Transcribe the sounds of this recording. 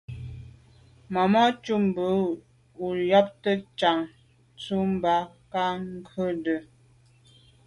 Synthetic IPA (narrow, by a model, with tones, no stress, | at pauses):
ma˨mɔ˦t͡ʃu˦m˨bə˨˦ | u˨jɔ˦p̚tə˦t͡ʃa˨ŋ | t͡su˦m˦ba˦ | ka˦ŋ˦kʰə˦də˨